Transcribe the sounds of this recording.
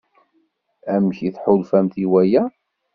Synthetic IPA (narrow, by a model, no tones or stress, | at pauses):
æmçiθħʊlfæmθiwæjæ